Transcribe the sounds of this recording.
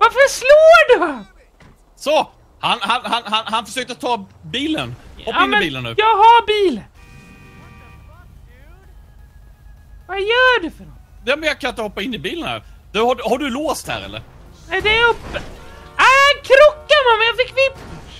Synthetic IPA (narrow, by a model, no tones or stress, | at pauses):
vafœʂloːɖɵhan | sɔ | hanhanɦanɦanɦanfœʂøːk̚t̪əɾat̪ʰːɑːbiːlə̰nɔpːaɪnɪbiːlənːʉ̰ːjɑːɡhabiːl | vajœːɖɛfœɖɔjaːmɛnjɑɡkʰanɪt̪əhɔpːaɪnːɪbiːlənhæ̰ːɾd̪ɵhaɖɵhaɖɵloːst̪hæ̰ːɾɛ̰lːə̰ɾ | nɛɪd̪ɛːɾɵpːəaakʰɾɔkːamamɛnjafɪkːvɪp